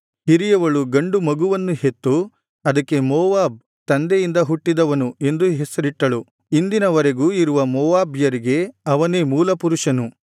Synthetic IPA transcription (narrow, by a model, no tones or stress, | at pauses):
hiɾijɐʋɐɭuɡɐɳɖumɐɡuʋɐnːuhet̪ːu | ɐd̪ɐkːe̞mɔːʋaːb̚ | t̪ɐnd̪ejind̪ɐɦuʈːid̪ɐʋɐnue̞nd̪uɦesɐɾiʈːɐɭu | ind̪inɐʋɐɾeɡuːiɾuʋɐmɔːʋaːbjɐɾiɡe̞ɐʋɐneːmuːlɐpuɾuʂɐnu